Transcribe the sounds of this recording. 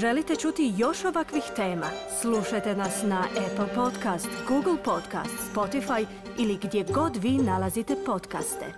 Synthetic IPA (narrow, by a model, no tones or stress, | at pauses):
ʒe̞lit̪e̞t͡ʃut̪ijo̞ʃo̞ʋakʋixt̪e̞ːmasluʃajt̪e̞nasnaʔepl̩ˠpo̞t̪kast̪ɡuɡl̩ˠpo̞d̪ka̰ːst̪spo̞t̪ifaj | iliɡd̪je̞ɡo̞d̪ʋiːnalazit̪e̞po̞t̪ka̰st̪ḛ